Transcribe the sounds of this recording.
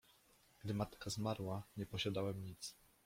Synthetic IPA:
ɡ̥d̪ɘmat̪kazmaɾwaɲɛpɔɕad̪awɛmɲit̪s

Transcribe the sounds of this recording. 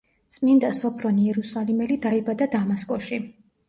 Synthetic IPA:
t̪sʼmind̪asɔpʰɾɔniɛɾusalimɛlid̪aibad̪ad̪amaskʼɔʃi

